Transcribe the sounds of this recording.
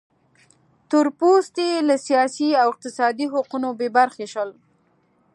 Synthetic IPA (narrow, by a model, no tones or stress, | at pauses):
t̪ʊɾpost̪elasijɑsiawɪq̚t̪ɪsɑd̪iɦaqunobebaɾxeʃəl